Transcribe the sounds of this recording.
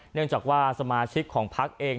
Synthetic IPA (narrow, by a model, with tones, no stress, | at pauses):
nɯ˥˩əŋt͡ɕaː˨˩k̚waː˥˩sa˧maː˧t͡ɕʰi˦˥kʰːɔː˩˦ŋpʰa˦˥k̚ʔeː˧ŋ